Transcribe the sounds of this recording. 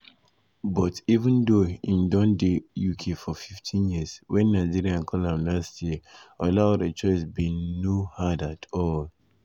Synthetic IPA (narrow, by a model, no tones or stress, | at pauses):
bɔtivə̃ndoĩndɔ̃ndejukʰefɔfiftʰĩnjiəswɛ̃nːaɪd͡ʒiɹiãnkʰɔlãmlastʰjiəalaʊdət͡ʃɔɪs̬binohadatʰɔl